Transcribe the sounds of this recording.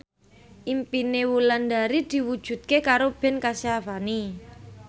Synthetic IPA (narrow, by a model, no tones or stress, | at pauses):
ʔimpinewuland̪a̤ɾid̪̥i̤wud̥ʒ̥ṳt̪̚kekaɾob̥ɛ̤nkasiafani